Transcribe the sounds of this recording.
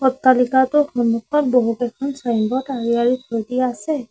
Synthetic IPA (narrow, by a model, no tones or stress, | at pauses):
ɔtːalikatʊxɔnːukʰɔt̚boɦutɛkʰɔnsajnbɔtaɹiaɹitʰojdiaasɛ